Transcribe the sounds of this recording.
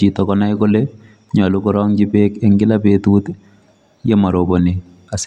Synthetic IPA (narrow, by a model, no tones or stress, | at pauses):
itɔkɔnajkole | ɲɔlukɔɾɔŋd͡ʒipekɛŋɡɪlapetuːt | jɛmaɾoboni | as